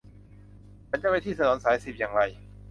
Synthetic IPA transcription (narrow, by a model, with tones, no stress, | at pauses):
t͡ɕʰa˩˦nt͡ɕa˧˥˩ma˧jt̪ʰiː˥˩sa˧nɔː˩˦nsaː˩˦jsi˨˩p̚jaː˨˩ŋɾa˧j